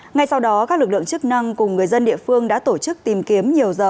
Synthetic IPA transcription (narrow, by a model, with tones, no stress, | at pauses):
ŋa˧jsa˧wɗɔ˨˦kaː˦˥klɨ˨˩k̚lɨ̰˧˨ŋt͡ɕɨ˦˥k̚na˧ŋkʊ˨˩ŋ͡mŋɨ˨˩əjzə˧nɗḭ˧˨əfɨ˧əŋɗa̰ː˧˥t̪o˧˩t͡ɕɨ˦˥k̚t̪i˨˩mki˨˦əmɲi˨˩əwzəː˨˩